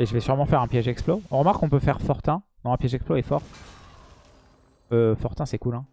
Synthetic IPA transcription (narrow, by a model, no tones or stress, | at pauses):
eʒəvɛsyʁmɑ̃fɛʁɛ̃pjɛʒɛksploɔ̃ʁəmaʁkːɔ̃pøfɛʁfɔʁt̪ɛ̃d̪ɔ̃ɛ̃pjɛʒɛksploɛfɔʁ | øfɔʁt̪ɛ̃sɛkulɛ̃